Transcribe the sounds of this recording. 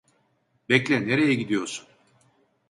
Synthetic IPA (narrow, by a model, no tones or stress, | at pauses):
bɛclʲɛneɾejɛɟid̪ijo̞ɾsun